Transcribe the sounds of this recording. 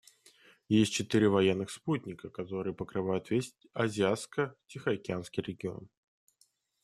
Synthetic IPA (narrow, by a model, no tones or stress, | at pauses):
jesʲtʲt͡ɕɪt̪ɨɾʲɪvɐjenːɨxsputʲnʲɪkəkɐt̪o̞ɾɨjəpəkɾɨvajʊt̪vʲesʲ | ɐzʲɪat̪skətʲɪxəɐkʲɪanskʲijɾʲɪɡʲɪo̞̰n